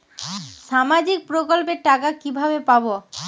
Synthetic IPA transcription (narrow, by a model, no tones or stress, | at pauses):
ʃamad͡ʑik̚pɾokolp̬eɾʈakakibʱabepabo